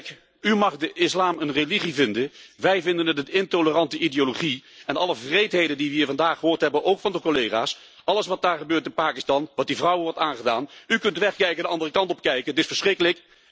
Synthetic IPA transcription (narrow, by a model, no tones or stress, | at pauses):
k | ymɑχdəʔɪslaːmənreliχivɪndənʋɛjvɪndənətətɪntolərɑntəʔidejoloχiɛnɑləvrejtɦejdəndiʋəiːɹvɑndaːχəɦʊːɹtɦɛbənʔowkfɑndəkolejχaːs | ɑləsʋɑt̚daːɹχəbøːɹtɪnpaːkɪstɑnʋɑt̚divrʌwəʋɔɹtaːnχədaːnykɵntdəʋɛχkɛjkəndəɑndərəkɑntɔp̚kɛjkətɪsfəɹsχrɪkələk